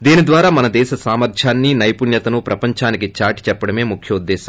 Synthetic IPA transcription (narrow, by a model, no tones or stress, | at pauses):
d̪iːnid̪ʋaːɾaːmɐnɐd̪ɛːʃɐsaːmɐɾtʰjaːnːinɐjpunjɐt̪ɐnupɾɐpɐɲt͡ʃaːnikit͡ʃaːʈi̥t͡ʃɛpːɐɽɐme̞ːmukʰjɐud̪ːɛːʃɐm